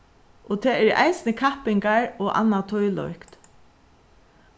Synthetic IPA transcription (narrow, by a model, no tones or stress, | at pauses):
ɔt̪ʰɛːɛɾa̰jsɪnəkʰahpɪŋkaɹɔːʔa̰nːat̪ʰɔjlɔ̰ʏkt̪